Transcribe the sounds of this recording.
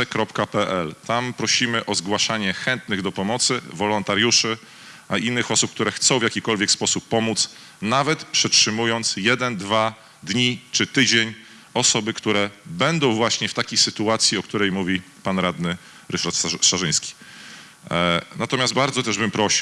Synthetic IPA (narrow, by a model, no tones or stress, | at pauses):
kɾɔpkapɛʔɛlt̪ampɾɔɕimɘʔɔzɡwaʂaɲɛxɛnt̪nɘɣd̪ɔpɔmɔt̪sɘvɔlɔnt̪aɾjuʂɘ | ʔaʔinːɘxɔsupk̚t̪uɾɛxt̪sɔ̃w̃vʲjakʲikɔlvʲjɛkspɔsupːɔmut̪s | navɛt̪pʂɛtʂɘmujɔnt̪sjɛd̪ɛnd̪va | d̪ɲit͡ʂɘt̪ɘd͡ʑeɲ | ɔsɔbɘkt̪uɾɛbɛnd̪ɔ̃w̃vwaɕɲɛft̪akʲejsɘt̪uat̪sʲjiɔkt̪uɾɛjmuvʲi | panɾad̪nɘ | ɾɘʂaɾt̪ʂaʐɘ̃j̃skʲi̥ | nat̪ɔmʲjasd̪̚baɾd̪zɔt̪ɛʐbɘmpɾɔɕi